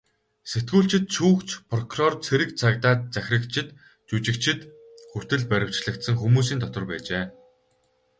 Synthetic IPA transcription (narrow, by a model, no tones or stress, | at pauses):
set̪̚ɡuːɬt͡ɕɪ̆t̪̚t͡ɕʰuːkt͡ɕpʰrɔkʰrɔrt͡sʰeɾɘ̆k̚t͡sʰakt̪aːt̪̚t͡sæxʲrə̆kt͡ɕʰɪ̆t̪ | t͡ɕut͡ɕɪ̆k̚t͡ɕʰɪ̆t̪ | xur̥t̪ɘ̆ɮpæɾʲɪ̆w̥t͡ɕɮə̆kt̪sə̆ŋxumuːs̬iːnt̪ʰɔt̪ə̆rpæ̰ːt͡ɕeː